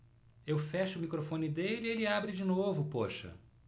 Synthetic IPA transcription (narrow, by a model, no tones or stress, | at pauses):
ewfɛʃɐʊmikɾofõnɪd̪elɪielɪabɾɪd͡ʒinovʊpoʃɐ̰